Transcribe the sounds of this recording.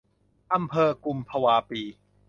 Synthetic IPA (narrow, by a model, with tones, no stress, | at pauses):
ʔa˧mpʰɤː˧ku˧mpʰa˧waː˧piː˧